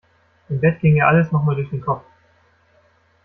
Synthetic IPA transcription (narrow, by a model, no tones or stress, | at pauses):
ʔɪmbɛtɡ̥ɪŋjaːʔaləsnɔχmaːldʊɐçd̥eːnkʰɔpp͡f